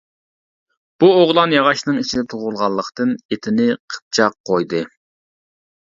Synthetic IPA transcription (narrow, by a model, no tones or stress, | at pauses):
b̥uoʁlˠɑnjɑʁɑʃnɨŋit͡ʃʰid̪ɛt̪ʰoʁʊlˠʁɑlˠːəqt̪ɨnet̪ʰɪnɪqʰə̥p̚t͡ʃʰɑqʰːojd̪ɨ